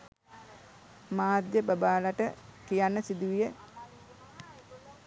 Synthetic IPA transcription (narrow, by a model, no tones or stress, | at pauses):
maːd̪jəbəbaːlaʈəkijanːəsid̪uʋijə